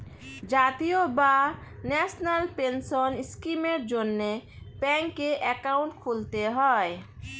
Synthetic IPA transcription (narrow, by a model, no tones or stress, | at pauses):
d͡ʑat̪ijobanɛsʰnalpensoniskimeɾd͡ʑonːebɛŋkːeʔɛkauɳʈkʰult̪eɦɔe